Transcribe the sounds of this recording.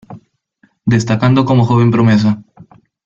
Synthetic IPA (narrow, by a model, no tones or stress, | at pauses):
d̪est̪akand̪okomoxoβempɾomes̬a